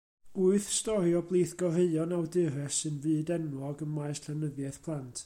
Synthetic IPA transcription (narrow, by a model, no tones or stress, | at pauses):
uɨθstɔɾjɔblˠiːθɡ̥ɔr̥eɨɔnawdɨɾɛsɨnvɨːdɛnwɔɡənmaɨsɬɛnəðjɛθpʰlˠantʰ